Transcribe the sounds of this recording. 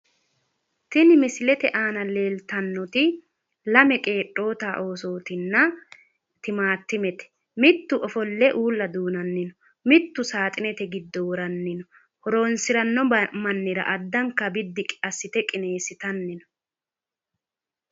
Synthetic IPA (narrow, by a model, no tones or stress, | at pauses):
t̪ɪnɪmɪsɪlɛt̪ɛʔaːnɐle̞ːlt̪ɐnːɔt̪ɪ | lɐmɛkʼe̞ːʈʼːo̞ːt̪aːʔo̞ːsoːt̪ɪnːɐ | t̪ɪmaːt̪ːɪmɛt̪ɛ̥ | mɪt̪ːʊʔɔfɔlːɛʔuːlːɐd̪uːnɐnːɪnɔ | mɪt̪ːʊsaːt̪ʼɪnɛt̪ɛɡɪd̪ːɔwɔɾɐnːɪnɔ | hɔɾo̞ːnsɪɾɐnːɔmɐnːɪɾɐ̰ʔɐd̪ːɐŋkːɐbɪd̪ːɪkʼɐsːɪt̪ɛkʼɪne̞ːsɪt̪ɐnːɪnɔ̥